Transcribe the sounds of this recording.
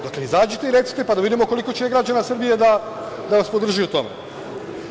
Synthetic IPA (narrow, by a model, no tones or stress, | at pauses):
d̪akleizaːd͡ʑet̪eiɾe̞t̪si̥t̪e̞pad̪aʋid̪imoko̞liko̞t͡ɕeɡɾad͡ʑanasr̩bijed̪a | d̪aʋaspod̪r̩ʒijut̪o̞mḛ